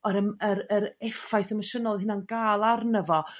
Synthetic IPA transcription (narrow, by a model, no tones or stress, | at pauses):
ɔɾəməɾəɾɛfajθəməʃənɔlˠhɪnanɡ̥aːlˠarnəvɔ